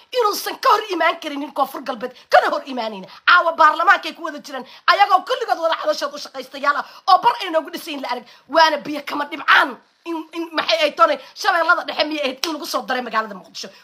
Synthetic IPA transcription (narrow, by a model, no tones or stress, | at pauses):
ʔɪnuːsɐŋkʰɐhɔrɪmaːŋkʰɐɾɪnːɪŋkʰɔːfʊrɡɐlbɛːd̪kʰɐnɐhɔrimaːnɛjnʕaːwɐbaːrlɐmaːŋkɛjkʰʊwɐðɐt͡ʃɪɾɛːn | ʔɐjɐɣɔːkʰʊlːɪɣɔːd̪wɐðɐʕɑðɐʃɔːd̪ʊʃɐqɛjst̪ʰɐjaːlɐʔɔːbɐrɛjnɔːɣʊɖɪsɛjɪnlɐʔɐðɐɡ̚ | wɑːnɐbɪjɐkʰɐmɐɖɪbʕaːn | ɪɪnmɐħɑjɛj̚t̪ʰːɔːnɛjʃɐβɛːlːɐðɐɖɛħɛmɪjɛjhɛd̪ɪnlɐɣʊsɔːd̪ɐɾɛmɐɣaːlɐðɐmʊqd̪ɪʃɔ